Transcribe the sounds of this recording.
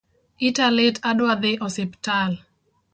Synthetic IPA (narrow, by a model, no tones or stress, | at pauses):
italetaɗwaðeʔɔseptal